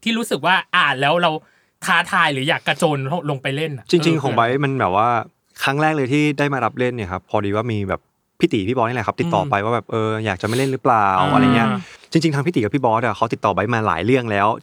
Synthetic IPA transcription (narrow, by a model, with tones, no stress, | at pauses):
t̪ʰiː˥˩ɾuː˦˥sɯ˨˩k̚waː˥˩ʔaː˨˩n̚lɛː˦˥wɾa˧w | k̪ʰaː˦˥t̪ʰaː˧jlɯː˩˦jaː˨˩kːa˧t͡ɕoː˧nlo˧˩lo˧ŋpa˧jle˥˩nʔa˨˩ʔt͡ɕi˧t͡ɕi˧ŋkʰo˩˦ŋba˦˥jma˧nbɛː˨˩p̚waː˥˩ | kʰa˦˥ŋɾɛː˥˩lɤː˧jt̪ʰiː˥˩daː˥˩jmaː˧ɾa˦˥p̚le˥˩nːiː˦˥˩kʰa˦˥pʰːɔː˧diː˧waː˥˩miː˧bɛː˨˩pʰː | i˦˥t̪iː˨˩˦pʰi˦˥˩bɔː˧n˥˩lɛ˩ka˦˥p̚t̪i˨˩t̪ːɔː˨˩pa˧jwaː˥˩bɛː˨˩p̚ʔɤː˧jaː˨˩k̚t͡ɕa˨˩ma˥˩jle˥˩nɾɯː˦˥plaː˨˩wʔa̰˧ɾa˧jŋi˦˥ɐt͡ɕi˧ŋt͡ɕi˧ŋt̪ʰa˧pʰi˦˥i˨˦kpʰiː˥˩bɔː˦˥da˧˨˩xʰa˦˥wt̪i˨˩t̪ːɔː˨˩ba˦˥jmaː˧la̰ː˩˦jɾɯ˥˩əŋlɛː˦˥w